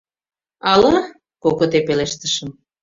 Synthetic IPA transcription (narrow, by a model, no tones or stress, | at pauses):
ɑlɑ | koɣot̪epeleʃt̪əʃəm